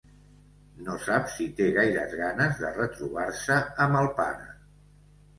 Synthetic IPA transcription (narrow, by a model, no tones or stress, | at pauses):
nosapsit̪eɣajɾə̰zɣanəzðərət̪ɾuβaɾsəːməlˠpa̰ɾə̰